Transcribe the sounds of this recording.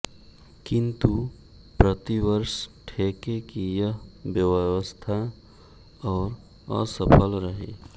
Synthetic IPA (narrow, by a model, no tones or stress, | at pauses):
kɪ̃nt̪u | pɾət̪iwəɾsʈʰekekijəɦbjəwwəst̪ʰa | ɔːɾ | ə̰səpʰəlɾəɦe